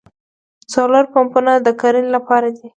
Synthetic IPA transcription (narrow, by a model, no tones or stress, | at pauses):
t͡sɑloɾpampunad̪əkaɾənlapɑɾad̪i